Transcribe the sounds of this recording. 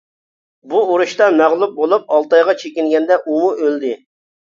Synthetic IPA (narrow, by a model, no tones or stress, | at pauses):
buoɾuʃt̪ɑmæʁlˠup̚bolˠup̚ɑlˠt̪ɑjʁɑt͡ʃʰekʲiŋɡʲɛnd̪ɛʔuwuʔøld̪ɪ